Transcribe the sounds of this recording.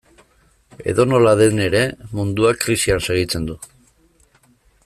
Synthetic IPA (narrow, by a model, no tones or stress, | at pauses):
e̞̰ðo̞no̞laðe̞ne̞ɾe̞mund̪uakɾisianse̞ɣ̞it͡se̞nd̪u